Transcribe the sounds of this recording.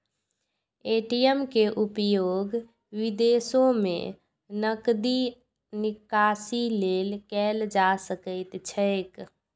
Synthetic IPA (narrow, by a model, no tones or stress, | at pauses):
eʈiəmkeʔupjoɡ | ʋid̪esomḛ | nəkd̪i | nikasilelkɛld͡ʒasəkəɪt̪t͡ʃʰəɪk